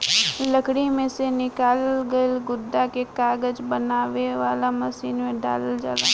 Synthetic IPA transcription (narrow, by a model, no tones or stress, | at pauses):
ləkɽimẽsenɪkaːlɡəlɡʊd̪ːakekaːɡəd͡ʒbənaːʋeʋaːlamɐsiːnmẽɖa̰ːləld͡ʒa̰ːla̰ː